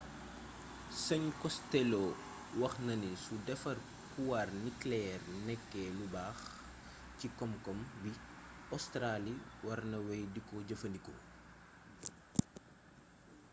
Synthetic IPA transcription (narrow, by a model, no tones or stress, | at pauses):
sɐɲkɔstɛlo | wɐxnɐnisudɛfɐr | kuwarniklɛɛrnɛkːɛlubaːx | cikɔmkɔmbiɔstɾaliwɐɾnɐwɛjdikɔɟɐfɐnikɔ̰